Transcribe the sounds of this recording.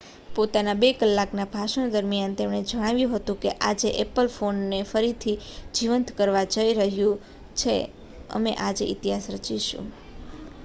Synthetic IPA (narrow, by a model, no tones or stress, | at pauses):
pot̪anabekəlːaknabʱaʃəɳ̃d̪əɾmijant̪emɽ̃ed͡ʒəɽ̃aʋjũɦət̪ũkeʔad͡ʒeʔepəlfʰonːefəɾit̪ʰid͡ʒiʋənt̪kəɾʋad͡ʒəiɾəɦjũ | t͡ʃʰḛ | ə̰meʔad͡ʒeʔḭt̪iɦasɾət͡ʃiʃṵ̃